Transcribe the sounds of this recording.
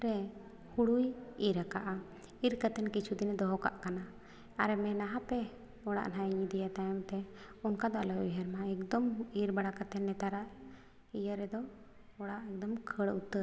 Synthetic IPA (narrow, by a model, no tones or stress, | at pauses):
ɾɛ | huɽujiɾakaʔa | iɾkət̪ɛnkit͡ʃʰud̪ind̪ɔɦɔka̰ʔkanaː | ɾɛmɛnaɦapɛ | ɔɽa̰ʔnajɲid̪ɛjat̪ajɔmt̪ɛunkad̪ɔa̰lɔjiɦəɾmaɛkd̪ɔmiɾbaɽakət̪ɛnːɛt̪aɾaʔ | ijəɾɛd̪ɔ | ɔɽaʔɛk̚d̪ɔmkʰəɽut̪ːəɾ